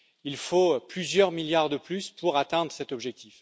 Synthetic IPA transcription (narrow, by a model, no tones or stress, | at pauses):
ilfoplyzjœʁmiljaʁd̪əplyspʰuʁat̪ɛ̃d̪ʁəsɛt̪ɔbʒɛk̚t̪if